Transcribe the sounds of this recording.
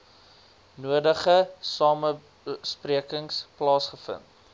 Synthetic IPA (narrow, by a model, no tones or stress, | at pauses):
nuədəχəsɑːmə | spriəkəŋsplɑːsχəfə̰nt̚